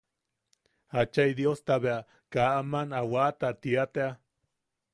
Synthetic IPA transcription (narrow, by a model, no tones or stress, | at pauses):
at͡ʃajd̪iost̪aβea | kaʔamanawat̪at̪iat̪ea